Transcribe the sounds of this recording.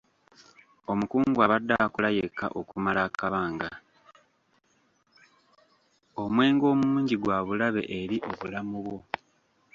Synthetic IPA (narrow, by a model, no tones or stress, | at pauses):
o̞mukuːŋɡwaβadːakulaje̞kːa̰ʔokumalakaβaːŋɡa | o̞mwe̞ːŋɡo̞ːmuuːɲɟiɡwaːβulaβe̞̰ʔeɾiʔo̞βulamuβwo̞